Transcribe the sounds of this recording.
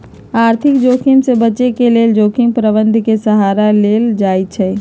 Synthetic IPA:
aːɾt̪ʰikd͡ʒokʰiŋsebət͡ʃekeleld͡ʒokiŋpɾəbənd̪ʱkesəɦaɾaleld͡ʒajt͡ʃʰɛ

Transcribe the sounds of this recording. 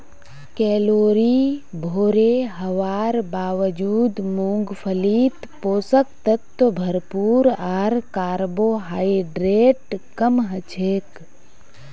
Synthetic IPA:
kɛːloːɾiːbʱoːɾeːɦəʋaːɾbaːʋəd͡ʒuːd̪mũːŋɡpʰəliːt̪poːsək̚t̪ət̪ːbʱɐɾpuːɾaːɾkaːɾboːɦaːiɖɾeːʈkəmɦət͡ʃʰeːk

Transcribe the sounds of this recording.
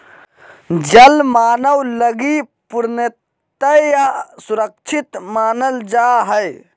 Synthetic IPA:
d͡ʒəlmaːnəwləɡipuɾnət̪əjasuɾək̚t͡ʃʰit̪maːnəld͡ʒaɦəj

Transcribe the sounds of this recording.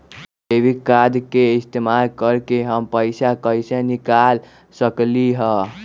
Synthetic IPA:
ebʱikad̪keist̪emalkəɾkeɦəmpəɪsakəjsenikal | səkliɦə

